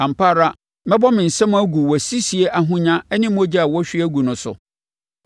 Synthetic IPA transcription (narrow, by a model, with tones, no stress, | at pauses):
ã˨m̩˨paː˦˨ɾa˦ | mɛ̃˦bɔ˦mɪ̃˨n̩˨sɛ̃˦mʊ̃˦æ˦ɡu˨wɔ˨si˦si˨e˦ʔa˨ɦʊ̃˦ɲã˦ɛ˦nɪ̃˦m˦ɔ˦d͡ʑa˦a˨wɔ˦ɕᶣɪ˦æ˦ɡu˨nʊ̃˨sʊ̰˨